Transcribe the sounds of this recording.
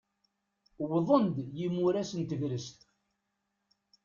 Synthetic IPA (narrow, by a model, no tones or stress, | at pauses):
wðˤənd̪jimːuɾæsənt̪əvɾəst̪